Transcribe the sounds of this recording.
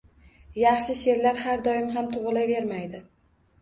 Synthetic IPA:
jɑχʃɪʃe̞ɾlaɾhaɾd̪ɒjɪmɦamt̪ʰʊʁlˠave̞ɾmajd̪ɪ

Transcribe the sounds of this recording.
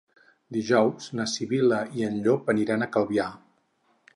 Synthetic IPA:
d̪iʒɔwznəsiβiləiənʎopəniɾanəkəlˠβia

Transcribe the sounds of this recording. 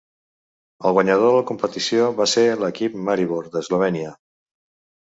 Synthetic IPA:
əlˠɣwəɲəð̞oðələkumpət̪isioβaseləkip̚maɾiβoɾd̪əzloβ̞ɛniə

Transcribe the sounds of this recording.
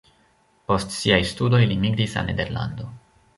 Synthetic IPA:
po̞stsiajstudo̞jlimiɡɾisa̰ne̞de̞ɾla̰ndo̞

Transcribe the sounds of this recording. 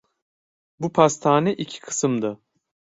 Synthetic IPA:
bupʰast̪ʰaːnɛʔicʰi̥kʰɯ̥sɯmd̪ɯ

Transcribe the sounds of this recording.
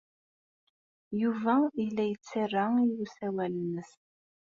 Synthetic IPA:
juvæilːæjət͡sːarːaiwusæwælənəs

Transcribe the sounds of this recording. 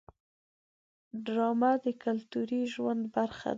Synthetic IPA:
ɖɾɑmad̪əkalt̪uɾiʒwand̪baɾxa̰d̪

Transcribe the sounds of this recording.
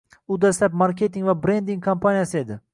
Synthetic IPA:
ʊd̪aslap̚maɾkʲe̞t̪iŋvabɾe̞nd̪iŋkʰampʰanijasɪe̞d̪ɪ

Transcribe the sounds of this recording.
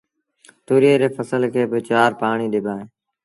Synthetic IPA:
t̪uːɾeːɾeːfəsəlkʰeːbɪt͡ʃaːɾpaːɳ̃iːɗɪbʱaːɦẽː

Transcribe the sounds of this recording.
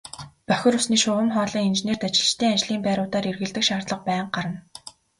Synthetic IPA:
pœxʲɪ̆rʊsniːʃʊːʁə̆mχɔːɮiːŋint͡ɕneːrt̪at͡ɕɪ̆ɮt͡ɕt̪ʰeːant͡ɕɮiːmpæːɾʊːt̪aːɾerɣɘ̆ɮt̪ɘ̆kʃaːrt̪ɮə̆q̚pæːɴɢaɾə̆n

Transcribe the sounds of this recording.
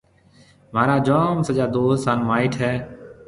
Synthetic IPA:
maːɾaːd͡ʒoːmsəd͡ʒaːd̪oːssaːnmaːiːʈʰɦɛː

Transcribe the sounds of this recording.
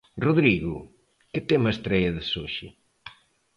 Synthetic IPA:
roðɾiɣʊ | kɪt̪emɐest̪ɾɛjɐðɪsoʃɪ

